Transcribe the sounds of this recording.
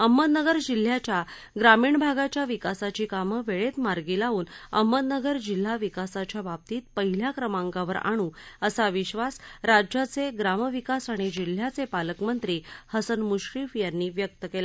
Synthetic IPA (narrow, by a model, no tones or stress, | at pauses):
əmːət̪nəɡəɾd͡ʑil̤ːjat͡ɕja | ɡɾamiːɳbʱaɡat͡ɕjaʋikasat͡ɕiːkaməʋeɭet̪maɾɡilauːnə̰mːət̪̚nəɡəɾd͡ʑil̤ːaʋikasat͡ɕjabab̚t̪iːt̪̚pəɦil̤jakɾəmaŋkaʋəɾa̰ɽ̃uːəsaʋiɕʋasɾad͡ʑjat͡seɡɾaməʋikasaɽ̃id͡ʑil̤jat͡sepaləkmənt̪ɾiːhəsənmuɕɾifjanːiːʋjək̚t̪əkela